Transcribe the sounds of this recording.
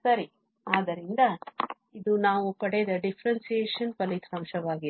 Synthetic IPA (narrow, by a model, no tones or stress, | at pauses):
sɐɾi | aːd̪ɐɾind̪ɐ | id̪unaːʋupɐɽed̪ɐɖifʰɐɾɐnsijeːʃɐnpɐlit̪ʰɾɐmʃɐʋaːɡi